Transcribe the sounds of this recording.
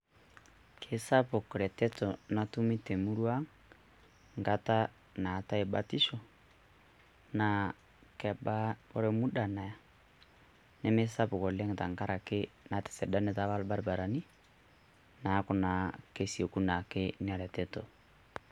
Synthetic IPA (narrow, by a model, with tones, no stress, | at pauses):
kʰe˨sa˦pɔ˨kɔ˨ɾɛ˨tɛ˦tɔ˨na˨tu˦mi˦te˨mu˦ɾwa˦ŋ | ŋɡa˦ta˦ | na˨ta˦e˨ɓa˨ti˦ʃɔ˨ | na˨ | kɛ˨ɓa˦ɔ˦ɾɛ˦mu˦ɗa˨na˨ja˨ | nɛ˦me˦sa˦pɔ˨kɔ˨lɛ˦ŋ˨ta˨ŋka˦ɾa˨ke˦na˨tɛ̥˨sɛ˨da˦nɛ˨ta˨˦βa˦lba˦ɾba˨ɾa˨ni˦ | na˨˦kɔ˨na˨ke˨si˨o˨ku˦na˨ke˦ne˦a˨ɾɛ˨tɛ˦tɔ˨